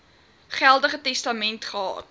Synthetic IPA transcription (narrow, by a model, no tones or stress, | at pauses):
χælˠdəχətɛstɐmɛntχəɑ̰ːt